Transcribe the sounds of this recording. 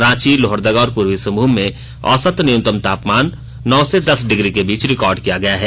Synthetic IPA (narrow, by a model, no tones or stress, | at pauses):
ɾãːt͡ʃiloːɦəɾd̪əɡɔːɾpuːɾwisɐ̃mbʱuːmẽ | ɔ̰ːsət̪nɪjʊ̃t̪əmt̪aːpmaːnː | ɔːsed̪ɐsɖɪɡɾikebiːt͡ʃɾɪkɔːɾɖkijaɡɐjaɦɛː